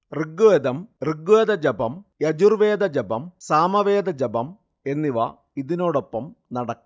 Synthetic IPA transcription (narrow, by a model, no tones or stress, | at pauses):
riɡued̪ɐmriɡued̪ɐd͡ʑɐbɐmjɐd͡ʑurʋeːd̪ɐd͡ʑɐbɐmsaːmɐʋeːd̪ɐd͡ʑɐbɐm | e̞nːiʋɐ̰ | iðino̞ːɽo̞pːɐmnɐɽɐkː